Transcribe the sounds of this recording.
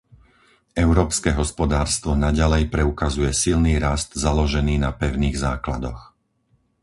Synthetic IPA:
ɛʊɾɔːpskɛɦɔspɔd̪aːɾst̪ʋɔnaɟalɛjpɾɛukazujɛsilniːɾast̪zalɔʒɛniːnapɛʊniːɣzaːklad̪ɔx

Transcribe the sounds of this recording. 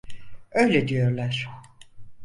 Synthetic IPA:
øjlʲɛd̪ijoɾlˠæɾ̥

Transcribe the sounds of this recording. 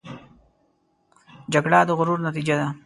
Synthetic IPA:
d͡ʒaɡɽad̪əɣʊɾuɾnat̪id͡ʒad̪a

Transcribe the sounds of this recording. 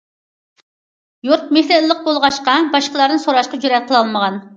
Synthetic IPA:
juɾt̪̚mehlɪllːəq̚bolˠʁɑʃqɑbɑʃqəlˠɑɾnɨsoɾɑʃqɑd͡ʒyɾɛt̪̚qʰəlˠɑlˠməʁɑn

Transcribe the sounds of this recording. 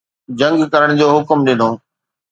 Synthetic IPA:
d͡ʑɐ̃ŋɡkɐɾəɽ̃d͡ʑoːɦʊkmɗɪ̃nd̪õː

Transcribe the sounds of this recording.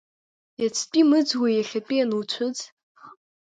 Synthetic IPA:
jat͡sʰpʼimɨd͡zwajaɬʲapʼianuwt͡ɕʷʰʊd͡z

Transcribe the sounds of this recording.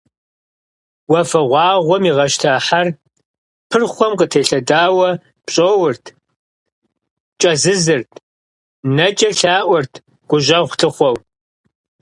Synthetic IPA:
wɐfɐʁʷɑːʁʷɔmiʁɐʃtʰaːħar | pʰɨrχʷɔmqətʰeːɬɐdaːwɐ | pɕʼoːwʊrtʰ | t͡ʃʼɐzɨzɨrtʰ | nɐt͡ʃʼɐɬaːʔʷɔrtʰ | ɡ̥ʷʊʒɐʁʷtʰɨχʷɔw

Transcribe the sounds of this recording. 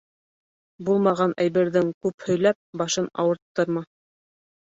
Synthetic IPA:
bulˠmɑʁɑnʔæjβɘ̆ɾðɘŋkʉphɵ̆jlæp̚bɑʃɤnɑ̰wɤ̆ɾt̪ːɤɾmɑ

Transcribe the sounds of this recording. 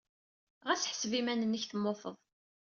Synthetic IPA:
ʁæsħsvimænənːəçθəmːoθəðˤ

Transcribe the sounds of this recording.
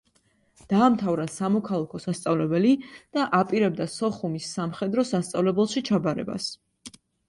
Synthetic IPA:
d̪̥aːmt̪ʰavɾasamɔkʰalˠakʰɔsast̪sʼavlɛbɛlid̪̥aʔapʼiɾɛb̚d̪asɔχumisːamχɛd̪ɾɔsast̪sʼavlɛbɛlˠʃit͡ʃʰabaɾɛ̰ba̰s

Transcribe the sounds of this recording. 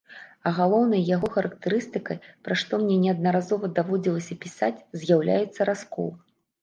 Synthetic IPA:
ɐɣalˠɔwnɐjjaɣɔxɐɾɐkt̪ɨɾɨst̪ɨkɐjpɾaʂt̪ɔmnʲɛnʲɛɐd̪nɐɾazɔvɐd̪avɔd͡zʲilˠɐsʲɐpʲisat͡sʲzʲjawlʲa̰jɛt̪sːɐɾaskɔ̰lˠ

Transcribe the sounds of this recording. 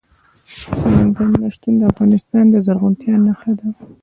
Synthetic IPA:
samaŋɡaɾnaʃt̪und̪əafɣɑnɪst̪ɑnd̪əzaɾɣʊnt̪jɑnːaxad̪a

